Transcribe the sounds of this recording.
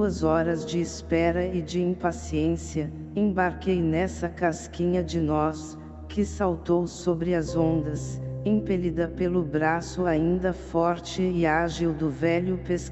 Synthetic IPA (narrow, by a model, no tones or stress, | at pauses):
uɐzɔɾɐzd͡ʒɪːspɛɾɐɪd͡ʒɪĩpasiẽsiɐ | ẽbaɾkejnɛsɐkaskĩɲɐd͡ʒɪnɔs | kɪsawt̪owsobɾɪɐzõnd̪ɐsẽpelid̪ɐpelʊbɾasʊaĩnd̪ɐfɔɾt͡ʃɪɪaʒiwd̪ʊvɛʎʊpesk